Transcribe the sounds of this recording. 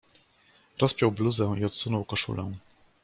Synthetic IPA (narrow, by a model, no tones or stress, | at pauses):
ɾɔspʲjɔwbluzɛ̃iɔt̪sunɔwkɔʂṵlɛ̰̃w̃